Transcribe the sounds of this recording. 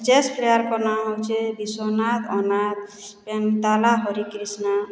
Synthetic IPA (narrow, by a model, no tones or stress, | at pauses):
t͡ʃespʰlejaɾkɔnaɦɔwt͡ʃʰebisɔnat̪ɔnad̪̚ | pent̪alaɦɔɾikɾisna